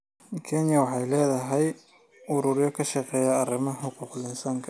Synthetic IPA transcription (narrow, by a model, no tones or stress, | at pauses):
kʰɛnjɐwɑħɑjlɛːðɐɦɛj | ʔʊɾʊɾɪjɔkʰɐʃɐqɛːjɐːrɪmɐħʊquːqlɪnsaːŋkʰɐ